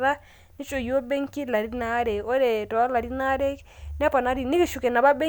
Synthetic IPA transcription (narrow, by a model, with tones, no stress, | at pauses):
ɾa˦ | nɪ˦t͡ʃo˨jo˦be˦ŋki˦la˨ɾi˦na˦ɾɛ˨o˦dɛ˨tɔ˨a˦la˨ɾi˦na˦ɾɛ˦k | n˦ɛ˦pa˨na˦ɾi˨nɪ˦kɪ˦ʃu˨kɛ˨na˨ba˦be˦